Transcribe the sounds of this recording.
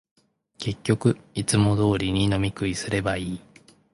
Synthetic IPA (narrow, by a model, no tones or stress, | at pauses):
ke̞kʲːo̞kɯ̟it͡sɨmo̞d̪o̞ːɾʲiɲ̟ino̞mʲikɯ̟isɨɾe̞baiː